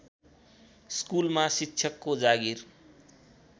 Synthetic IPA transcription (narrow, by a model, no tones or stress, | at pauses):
skulmasitːɕʰjʌkːod͡zaɡir